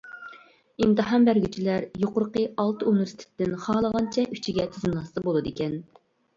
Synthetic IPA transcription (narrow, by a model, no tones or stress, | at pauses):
imt̪ɨɦɑmbæɾɡʲyt͡ʃʰilæɾjoqʊɾqəɑlˠt̪ɨunɪvɪɾst̪ʰɪ̥t̪ːɪnχɑːlˠəʁɑnt͡ʃʰɛʔyt͡ʃʰiɡʲɛt̪ʰyzmɨnɑst̪ɨbolˠɨd̪ekʲɛn